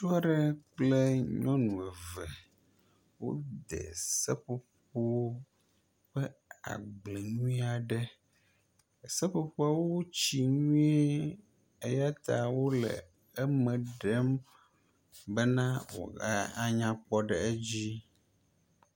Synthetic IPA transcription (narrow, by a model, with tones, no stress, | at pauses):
tu˦a˦ɖɛ˦k͡ple˦ɲɔ̃˦nũ˨ɛ˨vɛ˨ | wo̰˦d̪ɛ̰˨sɛ˦ɸo˦po˦wo˦ | ɸɛ˦a̰˨ɡ͡ble˨ɲũ˦i˦a˨ɖɛ˦˨ | sɛ˦ɸo˦po˦a˦wo˦t͡ɕi˨ɲũ˦e˦ | e˦ja˦t̪a˨wo˦lɛ̰˨ | ə˦mɛ̃˨ɖɛ˦m | bə˦nã˦wo̰˨a˦a˦ɲã˦k͡pɔ˦ɖɛ˨e˦d͡ʑi˦